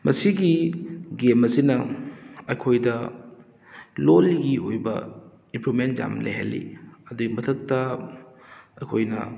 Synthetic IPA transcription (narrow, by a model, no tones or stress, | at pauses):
mɐsiɡiɡemɐsinɐɐjkʰojdɐ | loliɡiojbɐ̰ | impɾumentza̰mlḛjɦḛlːḭɐduɡimɐtʰɐk̚tɐ | ɐjkʰojnɐ̰